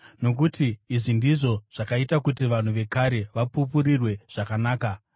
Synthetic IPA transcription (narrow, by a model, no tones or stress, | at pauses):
no̞k̬utiːʐindiʐo̞ʐ̥akaitakutiʋan̤uʋe̞kaɾe̞ʋapupuɾirwe̞ʐ̥akanaːka